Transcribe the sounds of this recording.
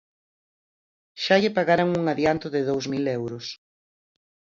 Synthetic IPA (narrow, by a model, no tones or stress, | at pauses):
ʃaʎɪpaɣaɾoŋuŋaðjant̪ʊðɪðowszmilewɾʊs